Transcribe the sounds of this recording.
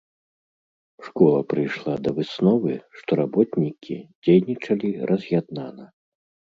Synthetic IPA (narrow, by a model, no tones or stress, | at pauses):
ʂkɔlˠɐpɾɨjʂlˠad̪ɐvɨsnɔvɨʂt̪ɔɾabɔt̪nʲikʲʰḭd͡zʲejnʲit͡ʂɐlʲiɾɐzʲjad̪̚nanɐ